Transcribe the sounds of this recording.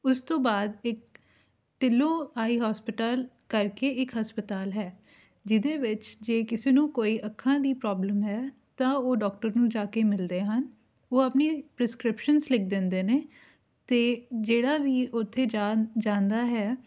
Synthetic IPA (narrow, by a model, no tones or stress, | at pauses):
ʊst̪õːbaːd̪ɪk | ʈɪlõːaːiːɦaːspɪʈaːl | kəɾkeːʔɪkɦəspət̪aːlɦɛː | d͡ʒɪd̪eːʋɪt͡ʃd͡ʒeːkɪseːnũːkoːiːʔəkʰːãːd̪iːpɾɔːbləmɦɛː | t̪ãːoːɖɔːkʈəɾnũːd͡ʒaːkeːmɪld̪eːɦən | oːəpneːpɾɪskɾɪpʃənslɪk̚ʰd̪ɪ̃nd̪eːneː | t̪eːd͡ʒeːɽaːʋiːʔʊt̪ʰːeːad͡ʒãːnd̪aːɦɛː